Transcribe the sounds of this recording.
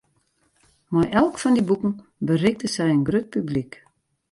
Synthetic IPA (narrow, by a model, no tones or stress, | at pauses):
mɔjʔɛlˠkfɔndibukn̩ | bərɪk̚dəsɛjənɡrøt̚pyblik